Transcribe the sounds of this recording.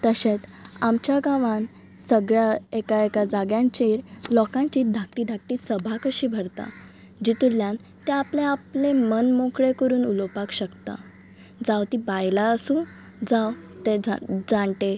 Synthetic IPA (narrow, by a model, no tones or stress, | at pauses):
t̪əɕet̪amt͡ɕjaɡaʋãn | səɡɭjaekaekad͡zaɡjãɲt͡ɕeɾlɔkãɲt͡ɕiːt̪̚d̪ʱakʈiːd̪ʱak̚ʈiːsəbʱakəɕiːbʱəɾt̪a̰ | d͡ʑit̪uljãn | t̪ẽapleaplemənmokɭekəɾuːnulopakɕəkt̪a̰ | d͡zawt̪ibajlaəsũ | d͡zawt̪ed͡zad͡zaɳʈe